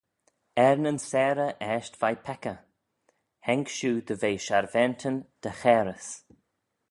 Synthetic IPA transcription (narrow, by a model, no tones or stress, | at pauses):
ɛɹnənsɛːɾəʔɛʃtv̥ajpʰɛkə | hɛŋkʃuːd̪əveːʃaɹvɛnt̪ʰənd̪̥əxɛːɾəs